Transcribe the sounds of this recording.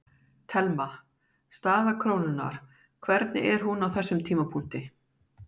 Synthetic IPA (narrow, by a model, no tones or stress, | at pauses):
t̪ʰɛlma | st̪aːðakʰɾoːwnʏna̰ɾ̥ | kʰvɛɾt̪nɪ̰ɛɾ̥ɦunawθɛsːʏmt̪ʰiːmapʰun̥t̪ɪ